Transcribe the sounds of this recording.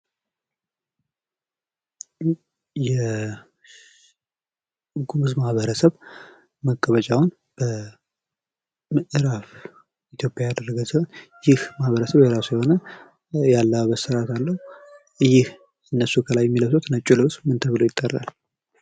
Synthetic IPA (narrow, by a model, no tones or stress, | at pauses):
jɛ | ɡumɨzmahβəɾəsəβ | məkʼːəβət͡ʃʼawn | b̥ə | mɨʔɨɾaf | it̪ʰjo̞pʼjajad̪ərːəɡəwsiho̞njɪhmahβəɾəsəβjɛɾasujɛho̞nə | jalːəbəsəɾat̪alːəhu | jɪh | ɨnːəsːukʰəlajːɛmːiləwsot̪nət͡ʃʼːulɨwsmɨnt̪ʰəβɨlojɪt̪ʼːərːa̰l